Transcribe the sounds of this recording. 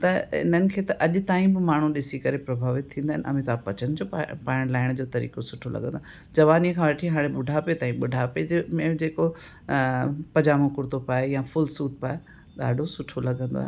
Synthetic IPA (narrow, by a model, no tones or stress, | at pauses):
t̪ɐɪ̰n̤ənɪ̆kʰeːt̪ɐʔɐʄʊt̪aːĩbɪmaːɳ̤ũɗɪsikɐɾepɾɐbʱaːʋɪt̪ʰːĩːnd̪aɦɪnʔɐ̰mĩsaːpɐt͡ɕənd͡ʑoːpaːɪɽ̃laːɪɽ̃d͡ʑoːt̪ɐɾḭːkosʊʈʰolɐ̰ɡʱə̃nd̪oa | d͡ʑɐʋaːnikʰãʋɐʈʰiɦaːɽ̃ẽɓʊɖʱapet̪aːĩɓʊɖʱaped͡ʑmẽd͡ʑeːko | pɐd͡ʑaːmõkʊɾt̪opaːejãfʊlsuːʈ̚paːe | ɗa̰ːɖʱosʊʈʰolɐɡʱə̃nd̪o̰a̰ɦe